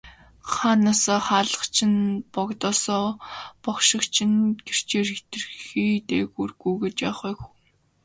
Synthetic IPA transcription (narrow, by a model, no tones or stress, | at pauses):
χaːnaːsɔːχaːɮə̆χt͡ɕʰɪ̆npɔkt̪ɔːsɔːpɔkʃɪ̆kt͡ɕʰɪ̆nɡer̥t͡ɕeːrxet̪ɘ̆rxiːt̪eːɣurɣujɡet͡ɕjaːχʊxuŋ